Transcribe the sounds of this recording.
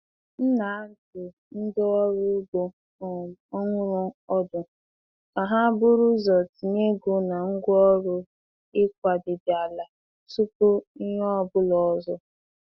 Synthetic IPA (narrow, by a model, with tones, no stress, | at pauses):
n̩˦na˨˦a˦n̩˦tʊ˨ | n̩˦dɪ˦ɔ˦ɾʊ˦ɡo˨˦ | ŋʷʊ˦ɾɔ˦ɔ˦dʊ˨ | ka˨ɦa˦bʊ˦ɾʊ˦zɔ˨ti˨ne˦ɡu˨na˨ŋ̩˦ɡʷɔ˦ɾʊ˦ | ɪ˦k̚ʷa˨dɪ˨dɪ˨a˨la˨ | su˦po˦i˦ɲ˦ɔ˦ɔ˦bʊ˦lɔ˨ɔ˨zɔ˦